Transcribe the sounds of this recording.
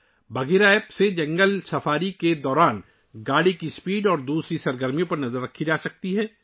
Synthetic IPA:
bɐɡeːɾaːepsed͡ʒɐ̃ŋɡəlsɐfʰaːɾiked̪ɔːɾaːn | ɡaːɽikispiːɖɔːɾd̪uːsɾisɐɾɡəɾmjõpɐɾnɐzəɾːɐkʰːid͡ʒaːsɐk̚t̪iɦɛː

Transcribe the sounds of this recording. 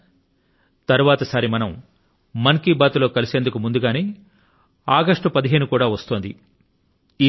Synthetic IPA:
t̪ɐɾuʋaːt̪ɐsaːɾimɐnɐmː | ɐŋkiːbaːt̪uloːkɐliseːnd̪ukumund̪uɡaːneː | aːɡɐʂʈupɐd̪iɦe̞ːnukuːɽaːʋɐst̪oːnd̪ḭ | iː

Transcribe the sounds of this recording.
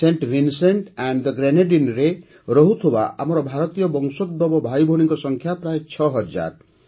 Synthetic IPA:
seɳʈbinseɳʈɛɳɖd̪əɡɾeneɖinɾe | ɾɔɦut̪ʰoba̰ʔa̰mɔɾɔbʱaɾɔt̪ijɔbɔŋsod̪̚bɔbɔbʱajbʱoɽiŋkɔsɔŋkʰjapɾaet͡ʃʰɔɦɔd͡ʒa̰ɾ

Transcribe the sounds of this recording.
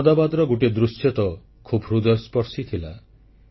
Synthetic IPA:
d̪abad̪ɾɔɡuʈed̪ɾusjɔt̪ɔ | kʰubɾud̪ɔjɔspɔɾsit̪ʰila

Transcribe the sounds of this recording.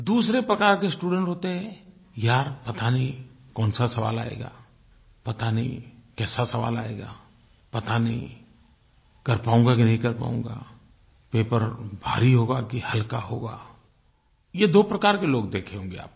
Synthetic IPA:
d̪uːsɾepɾɐkaːɾkesʈuːɖə̃ɳʈɦoːt̪eɦɛ̃ | jaːɾpɐt̪anəɦĩkɔːnsasɐʋa̰ːlaːḛːɡa̰ː | pɐt̪anɐɦḭ̃kɛːsasɐʋa̰ːla̰ːḛːɡa̰ː | pɐt̪anɐɦĩ | kɐɾpaːũːŋɡak̬inɐɦĩkɐɾpa̰ːṵ̃ŋɡa̰ː | peːpəɾbʱa̰ːɾiɦoːɡakihɐlkaɦoːɡa̰ː | jed̪oːpɾɐkaːɾkeloːɡd̪eːkʰeõːŋɡea̰ːp̚

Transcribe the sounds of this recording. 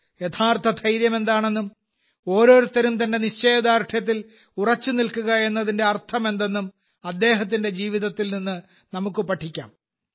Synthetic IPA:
jet̪ʰaːrt̪ʰɐt̪ʰɐjɾjɐme̞nd̪aːɳe̞nːum | o̞ːɾo̞ːɾut̪ːɐɾumt̪ɐnde̞niɕt͡ɕe̞ːd̪aːɾʈʰjɐt̪̬ːil | urɐt͡ɕːɨnilkuɣɐe̞nːɐðinde̞ɐrt̪ʰɐme̞nd̪e̞nːum | ɐd̪ːe̞ːɦɐt̪̬ːinde̞d͡ʑiːʋiðɐt̪ːilninːɨ | nɐmukːɨpɐʈʰːikʲːa̰ːm

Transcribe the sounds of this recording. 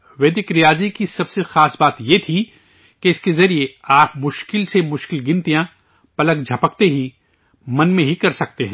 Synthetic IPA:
ʋeːd̪ɪkɾijaːzikisɐbsexaːsbaːt̪jet̪ʰi | keɪskezɐɾieaːpmʊʃkɪlsemʊʃkɪlɡɪ̃nt̪ijã | pɐlək̚d͡ʒʱɐpək̚t̪eɦi | mɐnmẽɦikɐɾsɐk̚t̪eɦɛ̃

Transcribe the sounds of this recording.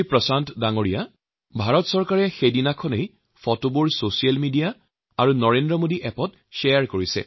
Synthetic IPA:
jpɹɔsantɔdaŋoɹija | bʱaɹɔtsɔɹkaɹɛxejdinakʰɔnej | fɔtobuɹsosialmidija | aɹunɔɹendɹɔmodiʔɛpɔt̚ | ʃɛjaɹkoɹisɛ̰

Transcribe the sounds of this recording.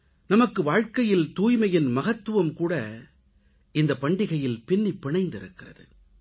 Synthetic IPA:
nɐmɐkːɯʋaːɻkɐjɪlt̪uːjmɐjɪnmɐɣɐt̪ːɯʋɐmkuːɽɐ | ɪnd̪ɐpɐɳɖɪɣɐjɪlpɪnːipːɪɳɐɪnd̪ɪɾɯkːɪrɐðɯ̰

